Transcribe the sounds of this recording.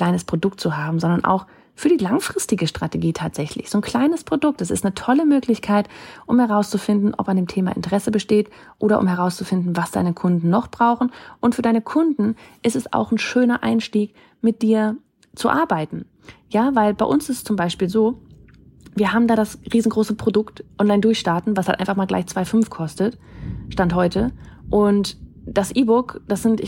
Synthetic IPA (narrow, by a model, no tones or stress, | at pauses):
kl̥aɪnəspʁ̥odʊk̚tt͡suɦaːbm̩zɔndɐnʔa̰ʊx | fyːɐdiːlaŋfʁ̥ɪstɪɡəʃtʁ̥ateɡiːtʰaːtz̥ɛçlɪ̰çz̥oːnkʰl̥aɪnəspʁ̥odʊk̚tɛsɪstnətʰɔləmøːklɪçkʰaɪtʔʊmhɛʁaʊst͡sufɪndn̩ʔɔ̰pandeːmtʰeːma̰ʔɪ̰ntəʁɛsəbəʃteːt | ʔoːɾɐ̰ʔʊ̰mhɛʁ̞aʊst͡sufɪndn̩vasd̥aɪnəkʰʊndn̩ːɔχb̥ʁaʊχn̩ʔʊntfyːɐdaɪnəkʰʊndn̩ʔɪstɛsa̰ʊxn̩ʃøːnɐʔa̰ɪnʃtiːk | mɪt̚d̥iːɐ | t͡suʔaɐbaɪtn̩ | jaːvaɪlbaɪʔʊnsɪstt͡sʊmbaɪʃpiːlzoː | viːɐɦaːbm̩daːdasʁiːzn̩ɡʁoːsəpʁ̥odʊktʔɔnlaɪndʊɐçʃtaːɐtn̩vashaltʔa̰ɪnfaχmaːlɡla̰ɪçt͡sv̥aɪfʏnfkʰɔstətʃtanthɔʏtəʔʊntd̥asʔiːbʊkd̥asz̥ɪntɪ